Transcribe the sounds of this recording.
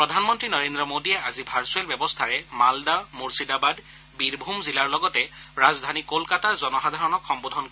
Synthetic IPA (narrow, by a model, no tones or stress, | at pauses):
pɹɔdʱanmɔntɹinɔɹendɹɔmodiɛazibʱaɹsuɛlbjɛbɔstʰaɹɛmaldamuɹsidabad | biɹbʱumzilaɹlɔɡɔtɛɹazdʱanikolkataɹzɔnɔxadʱaɹɔnɔkʰxɔmbodʱɔnk